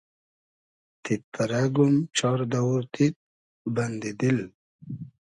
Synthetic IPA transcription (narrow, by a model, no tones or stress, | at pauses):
t̪it̪ːaɾaɡumt͡ʃɑɾd̪awuɾt̪it̪̚ | band̪id̪il